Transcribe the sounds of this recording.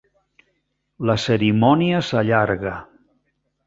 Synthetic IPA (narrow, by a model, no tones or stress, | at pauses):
ləsəɾimɔniəsaʎaɾɣə